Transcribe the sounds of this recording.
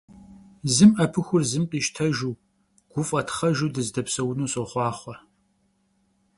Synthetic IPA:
zɨmʔɐpʰɨxʷʊrzɨmqʼiːʃtʰɐʒuː | ɡ̥ʷʊfʼɐtʰχɐʒuːdɨzdɐpsɐwnuːsʼoχʷɑːχʷɔ

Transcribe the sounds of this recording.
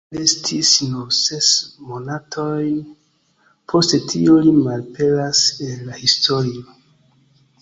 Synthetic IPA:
estʰisnose̞smonatʰo̞j | pʰo̞stetʰḭolimalpeɾasenlahistoɾio

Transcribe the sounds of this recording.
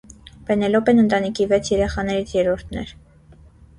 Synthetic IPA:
pɛnɛlɔpɛnənt̪ɑnikʰivɛt͡sʰjɛɾɛχɑnɛɾit͡sʰjɛɾɔɾt̪ʰnɛ̰ɾ

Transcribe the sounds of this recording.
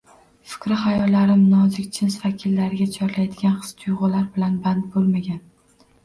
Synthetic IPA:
fɪ̥kʲɾɪχajɒlːaɾɪmnɒzɪkʲt͡ʃʰɪnsvakʲʰilːaɾɪɡʲat͡ʃʰɒɾlajd̪ɪɡʲanχɨ̥st̪ʰʊjʁʊlaɾbɪlanbant̪̚bolˠmaɡʲan

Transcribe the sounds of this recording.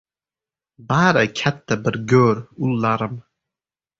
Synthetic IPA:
baːɾəkʲʰat̪ːəbəɾɡøːɾulːaɾəm

